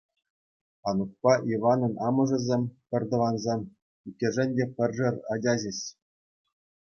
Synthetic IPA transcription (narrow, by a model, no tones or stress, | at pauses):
ɑnuk̚pɑʔiʋɑnɤ̆nɑmɤ̆ʐɤ̆zʲemʲpʲɘ̆rʲd̪ɤ̆ʋɑnzemʲ | ikʲːĕʐɘ̆nʲdʲepʲɘ̆rʲʐɘ̆rʲɑd͡ʑʲɑʑĕɕ